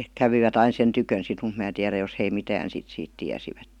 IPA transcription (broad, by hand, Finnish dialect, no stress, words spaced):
kæʋiʋæt ɑin̞ sen tykøn sit mut mæː tiæræ jos hei mitæːn sit siːt tiæsiʋætːen̞